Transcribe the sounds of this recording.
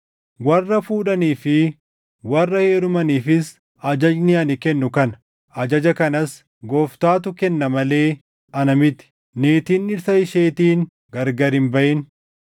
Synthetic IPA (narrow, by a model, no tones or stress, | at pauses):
wɐrːɐfuːᶑɐniːfɪ | wɐrːɐhe̞ːɾʊmɐniːfɪs | ɐd͡ʒɐd͡ʒnɪɐnɪkɛnːʊkɐn | ʔɐd͡ʒɐd͡ʒɐkɐnɐs | ɡoːft̪aːt̪̬ʊkɛnːɐmɐle̞ː | ʔɐnɐmɪt̪ɪ̥ | neːt̪iːnːɪɾsɐɪʃe̞ːt̪iːn | ɡɐɾɡɐɾɪmbɐʔɪn